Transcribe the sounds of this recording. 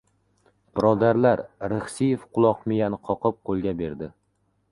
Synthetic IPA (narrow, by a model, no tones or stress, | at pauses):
b̥ɪɾɒd̪aɾlaɾɾɪχsijefqʰʊlˠɒqmɪjanqʰɒqɨp̚qʰolˠɡʲabe̞ɾd̪ɪ